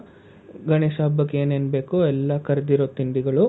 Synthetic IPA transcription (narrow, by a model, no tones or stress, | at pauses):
ɡɐɳeːʃaːbɐkːeːneːnbe̞ːkuɛlːɐkɐɾɐd̪iɾoːt̪ːind̪iɡɐɭu